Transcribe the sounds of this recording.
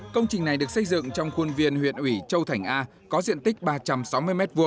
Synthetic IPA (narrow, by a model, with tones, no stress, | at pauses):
kə˧wŋ͡mt͡ɕï˨˩ŋ̟na˨˩jɗɨ˨˩ək̚sə˧jzɨ̰˧˨ŋt͡ɕɔ˧wŋ͡mxu˧ənvi˧ənhwḭ˧˨ənʔwi˧˩t͡ɕə˧wt̪ʰa˧˩jŋ̟ʔaː˧ | kɔ˨˦zḭ˧˨ənt̪ï˦˥k̟̚ɓaː˧t͡ɕa˧msa˨˦wmɨ˧əjmɛ˦˥t̚vu˧əŋ